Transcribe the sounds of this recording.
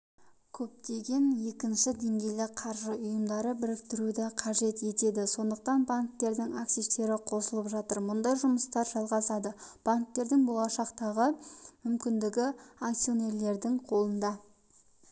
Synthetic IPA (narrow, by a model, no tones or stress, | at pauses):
kʲʰɵp̚t̪e̞ɡʲe̞nje̞kʲɪnʃɪd̪e̞ŋɡʲe̞jlɪqʰɑɾʒəʔʊjəmd̪ɑɾəbɪɾɪk̚t̪ɪɾud̪ɪqʰɑʒe̞t̪e̞t̪e̞d̪ɪso̞nd̪əq̚t̪ɑnbaŋk̚t̪e̞ɾd̪ɪŋaksiʃt̪e̞ɾɪqʰo̞səlˠəpʒɑt̪əɾmʊnd̪ɑjʒʊməst̪ɑɾʒɑlˠʁɑsɑd̪əb̥aŋk̚t̪e̞ɾd̪ɪŋbo̞lˠɑʃɑqt̪ɑʁəmʏmkʲɪnd̪ɪɡʲɪakt̪sio̞ne̞ɾle̞ɾd̪ɪŋqʰo̞lˠənd̪ɑ